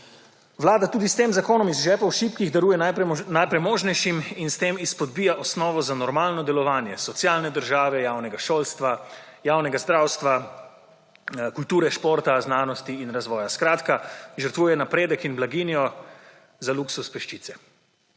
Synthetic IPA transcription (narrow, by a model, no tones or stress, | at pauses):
ʋlaːd̪at̪uːd̪ist̪eːmzakoːnɔmizʒɛːpawʃiːpkiɣd̪ɐɾuːjɛnanajpɾɛjmoːʒnɛjʃiminst̪eːmispɔd̪̚bijaʔɔsnɔːʋɔzanɔɾmaːlnɔd̪ɛlɔʋaːnjɛsɔt̪sjaːlnɛd̪əɾʒaːʋɛjaːwnɛɡaʃoːlst̪ʋajaːwnɛɡazd̪ɾawst̪ʋa | kult̪uːɾɛʃpoːɾt̪aznaːnɔst̪iːnɾazʋɔːjaskɾaːt̪kaʒəɾt̪ʋuːjɛnapɾeːd̪əkinblaɡiːnijɔ | zaluksuspɛʃt͡ʃit̪sɛ